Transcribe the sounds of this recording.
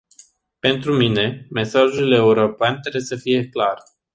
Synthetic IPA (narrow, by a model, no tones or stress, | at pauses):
pe̞nt̪ɾumine̞me̞saʒule̞uɾo̞peant̪ɾebwjesəfije̞klar